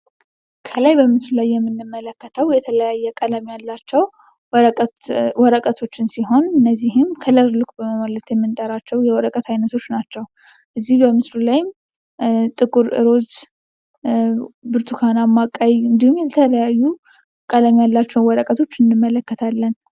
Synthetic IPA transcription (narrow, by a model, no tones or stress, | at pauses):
kʰəlajbəmɨslulajːɛmːɨnːɨmːələkːət̪ʰəwjɛt̪ʰələjajːɛkʼələmjalːat͡ʃːɛwʼ | wɔɾəkʼət̪ʰo̞t͡ʃːɪnsiɦo̞nɨnːəzːiɦɪmkʰələɾlɨkʷʼbəməmələt̪jɛmːɨnt̪ʼəɾat͡ʃːɛwjɛwɔɾəkʼət̪ʰajnət̪ʰo̞t͡ʃːnat͡ʃːɛw | ʔɨzːihbəmɨslulajm | t̪ʼɨkʼuɾɨ̰ɾo̞z | bɨɾt̪ʰukʰanamːakʼajɨnd̪ihumjɛt̪ʰələjajːu | kʼələmjalːat͡ʃːɛwwɔɾəkʼət̪ʰo̞t͡ʃːɨnːɨmːələkːət̪ʰalːən